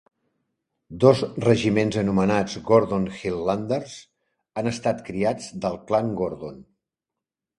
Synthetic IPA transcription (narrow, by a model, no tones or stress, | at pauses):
d̪ɔzrəʒimenzənumənad͡zɡoɾðonxilːand̪ərz̥ | anəst̪at̪kɾiad͡zd̪əlˠklaŋɡoɾðon